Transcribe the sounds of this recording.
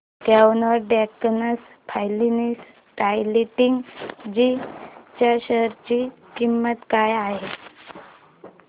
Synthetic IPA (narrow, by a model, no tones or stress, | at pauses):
t̪jaunəɾɖɛknəs | pʰajlinis | ʈajliʈiŋɡd͡ʑit͡ɕjaɕəɾt͡ɕiː | kimːət̪kajaɦe